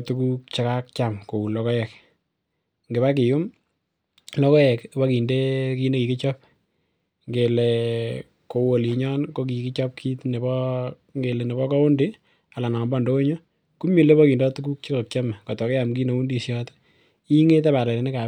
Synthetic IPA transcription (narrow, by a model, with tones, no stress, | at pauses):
tu˦ku˦k̚t͡ʃɪ˦ka˦k̚t͡ʃamko˨u˨lɔ˦kɔ˦jɛ˨k | ŋɡɪ˨ba˦k̬ɪ˨jʊ˦m | lɔ˦kɔ˦jɛ˨kba˦ki˨nde˦ki˦ne˦ki˨kɪ˦t͡ʃɔp̚ | ŋɡe˨le˨ | ko˨wo˨li˨ɲɔ˦nko˦ki˨kɪ˦t͡ʃɔ˦p̚kʰi˦tne˨bɔ˦ | ŋɡe˨le˨ne˨bɔ˦kɔ˦ʊ˦ndɪ˦ | a˨la˨na˨mbɔ˦˨ndo˦o˦ɲo˦ | ku˦mi˨le˦bɔ˦kiː˨ndɔ˦tu˦ku˦k̚t͡ʃɪ˦ka˨k̚t͡ʃa˦mɛ˨kɔ˨tɔ˨ke˦ja˨mki˦ne˨˦u˦ndi˨sjɔ˦t | i˦ŋe˦t̬a˦βa˨le˨le˨nɪ˦ka˨